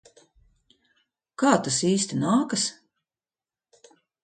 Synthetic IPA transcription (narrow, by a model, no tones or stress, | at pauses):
kaːt̪asiːst̪inaːkɐs